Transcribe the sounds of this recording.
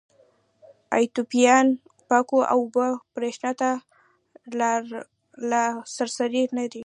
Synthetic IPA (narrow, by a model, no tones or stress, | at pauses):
a̰jt̪upijɑn | pakoʔa̰wbəpɾeʃnat̪a | lasaɾsaɾinad̪i